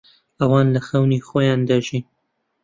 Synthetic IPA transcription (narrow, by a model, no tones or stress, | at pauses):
ʔɐwɑːnlɐxɐwnixoːjɑːnd̪aʒin